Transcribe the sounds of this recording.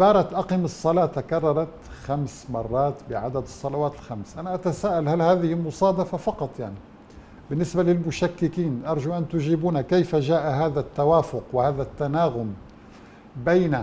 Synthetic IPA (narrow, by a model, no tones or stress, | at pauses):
ʔbɑːɾˤɑt̪ʔɑqɪmɨsˤːɑlɑːt̪akɑrˤːɑɾˤɑt̪xamsmɑrˤːɑːt̪bɪʕad̪ad̪ɨsˤːɑlɑwaːt̪ɪlxamsʔanaʔat̪asaːʔalhalhaːðɪhɪlmʊsˤɑːd̪ɑfafɑqɑt̪ˤjaʕni | bɪnːɪsbalɪlmʊʃakːɪkiːnʔɑɾˤʒuʔant̪ʊʒiːbuːnakejfaʒaːʔaɦaːðat̪ːawaːfʊqwɪhaːðat̪ːanaːɣʊm | bejna